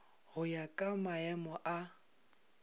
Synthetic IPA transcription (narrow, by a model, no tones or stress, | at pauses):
hʊjakʼamaɛmɔʔa